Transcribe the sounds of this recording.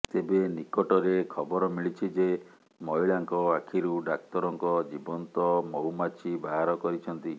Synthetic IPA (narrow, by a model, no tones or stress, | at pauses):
t̪ebenikɔʈɔɾekʰɔbɔɾɔmiɭit͡ʃʰid͡ʒe | mɔɦiɭaŋkɔakʰiɾuɖak̚t̪ɔɾɔŋkɔd͡ʒibɔnt̪ɔmɔumat͡ʃʰibaɦaɾɔkɔɾit͡ʃʰɔnt̪i